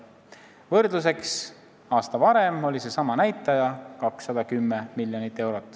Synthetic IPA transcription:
vɤrd̪lus̬e̞ks | ɑːst̪ɑvɑɾemo̞lʲise̞sɑmɑnæjt̪ːˑɑjɑkɑksːɑd̪̥ɑkymːemilʲjonit̪ːˑe̞wɾo̞t̪ːˑ

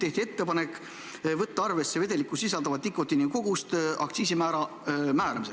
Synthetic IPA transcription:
t̪e̞ht̪iet̪ːe̞pɑne̞kːˑ | vɤt̪ːɑɑrve̞sːeve̞d̪e̞likːˑusisɑld̪ɑvɑt̪ːikːˑo̞t̪ːiniko̞ɡ̥ust̪ʔɑ̰kt̪siːs̬imæːɾɑ | mæːɾɑmise

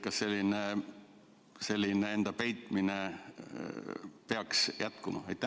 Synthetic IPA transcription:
kɑsːe̞lʲːine | se̞lʲːinee̞nd̪̥ɑpejt̪ˑmine | peɑksjʔæt̪kumɑ̰ejt̪ːˑæ

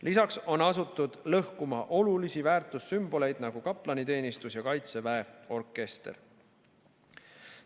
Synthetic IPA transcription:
lisɑkso̞nɑsut̪ːˑud̪̥lɤhkumɑʔo̞lulisivæːrt̪ˑusːymb̥o̞le̞jd̪nɑɡ̥ukɑpˑlɑnit̪e̞ːnist̪usjɑkɑjt̪se̞væeo̞rkˑːe̞st̪er

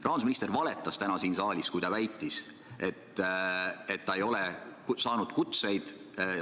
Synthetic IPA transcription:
rʔɑːnsminist̪ervɑle̞t̪ːˑɑst̪ænɑsiːnsɑːlʲiskujt̪ɑvæjt̪ːˑis | e̞t̪ː | et̪ːɑejo̞lɛksɑːnud̪̥kut̪se̞jd̪̥

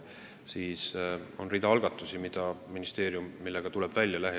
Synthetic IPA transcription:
siːso̞nrid̪ɑɑlɡ̥ɑt̪ːˑusimid̪̥ɑminist̪e̞ːɾiumːilːe̞ɡ̥ɑt̪ule̞b̥vælʲjɑlæɦe

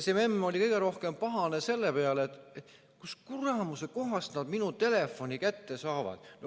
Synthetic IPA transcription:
sememːo̞lʲikɤjɡ̥eɾo̞hke̞mpɑɦɑne̞se̞lːe̞peɑleet̪e | kuskurɑmuse̞ko̞ɦɑst̪nɑd̪̥minut̪e̞le̞fːo̞nʲikæt̪ːe̞sɑːvɑ̰d̪̥n

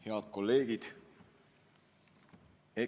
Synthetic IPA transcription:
heɑt̪̚ko̞lːe̞ːɡ̥id̪̥ | e

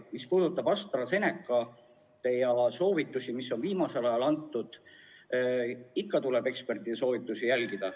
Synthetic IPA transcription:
mispuːd̪ut̪ːˑɑb̥ɑst̪rɑse̞nekːˑɑ | t̪ejɑɑso̞ːvit̪ːˑusimisːo̞nviːmɑse̞lɑjɑlɑnt̪ːˑud̪̥ | ikːɑt̪ulebe̞kspe̞rt̪ˑid̪eso̞ːvit̪ːˑusijælɡid̪̥ɑ

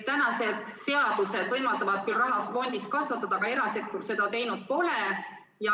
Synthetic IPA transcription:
t̪ænɑse̞d̪̥se̞ɑd̪̥use̞d̪vɤjmɑt̪ːˑɑvɑd̪̥̚kylrɑɦɑsfo̞nʲd̪iskɑsvɑt̪ːˑɑd̪ɑɡ̥ɑe̞ɾɑse̞k̚t̪ːurse̞d̪ɑt̪e̞jnud̪̥̚po̞le̞ | jɑ

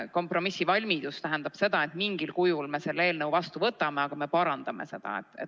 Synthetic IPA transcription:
ko̞mpro̞misivɑlʲmid̪̥ust̪æɦænd̪̥ɑb̥se̞d̪ɑe̞t̪miŋɡ̥ilkujulme̞se̞lːe̞ːlnɤwvɑst̪uvɤt̪ːˑɑme̞ɑɡ̥ɑme̞pɑɾɑnd̪̥ɑme̞̰se̞d̪̥ɑ̰ḛt̪ːˑḛtː

